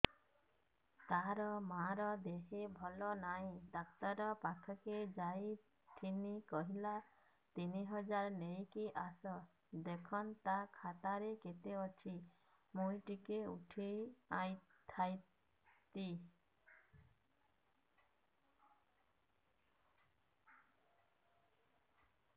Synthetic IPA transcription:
t̪aɾɔmaɾɔd̪eɦebʱɔlɔnaĩd̪ak̚t̪aɾɔpakʰɔked͡ʒaj | t̪ʰinikɔɦila | t̪iniɦɔd͡ʒaɾnejkiʔasɔ | d̪ekʰɔnt̪akʰat̪aɾeket̪eɔt͡ʃʰi | mujʈikeṵʈʰejajt̪ʰaj | t̪i

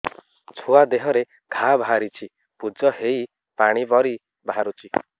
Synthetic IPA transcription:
t͡ʃʰoad̪eɦɔɾe | ɡ̥ʱabʱaɾit͡ʃʰi | pud͡ʒɔɦei | paɽ̃ibɔɾi | bʱaɾut͡ʃʰi

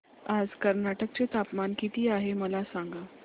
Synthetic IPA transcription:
ad͡zkəɾnaʈək̚t͡ɕet̪apmankit̪iːaɦeməlasaŋɡa

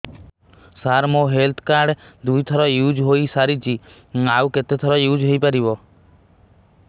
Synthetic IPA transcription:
saɾmoɦelt̪ʰkaɾɖd̪ujt̪ʰɔɾɔjud͡ʒɦoisaɾit͡ʃʰi | awket̪et̪ʰɔɾɔjud͡ʒɦojpaɾibɔ

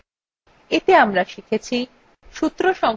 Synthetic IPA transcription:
et̪eamɾaʃikʰet͡ɕʰi | ʃut̪ːɾoʃɔŋ

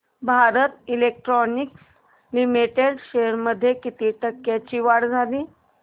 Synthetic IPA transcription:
bʱaɾət̪ilek̚ʈɾɔniks | limiʈeɽɕeɾməd̪ʱːjekit̪iːʈəkːjat͡ɕiːʋaɽd͡zʱaliː

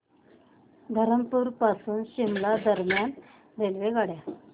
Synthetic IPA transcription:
d̪ʱəɾəmpuːɾpasuːnɕimlad̪əɾmjan | d̪elʋeɡaɽja

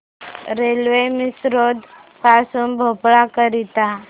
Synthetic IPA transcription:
ɾelʋemisɾod̪ | pasuːnbʱopɭakəɾit̪a

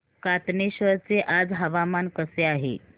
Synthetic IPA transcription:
kat̪neɕʋəɾt͡seʔad͡zɦəʋamankəseaɦḛ

